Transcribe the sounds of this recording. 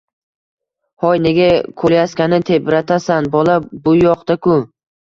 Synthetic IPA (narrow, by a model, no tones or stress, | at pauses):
hɒjne̞ɡʲakʰoljaskʲanɪt̪ʰebɾat̪ʰasanbɒlabʊjɒqt̪akʊ